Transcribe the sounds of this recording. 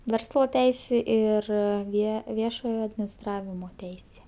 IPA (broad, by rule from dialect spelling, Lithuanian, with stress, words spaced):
ˈʋʲɛrslˠoː ˈtʲɛɪsʲeː ɪr ˈʋʲiɛ ˈʋʲiɛʃoːjoː ɐdʲmʲɪnʲɪsˈtrɑːʋʲɪmoː ˈtʲɛɪsʲeː